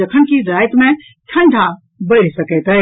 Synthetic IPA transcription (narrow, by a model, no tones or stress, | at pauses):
ɐkʰənkiɾaːjt̪mẽ | ʈʰɐ̃ɳɖʱã | bɐɽ̤isɐket̪ə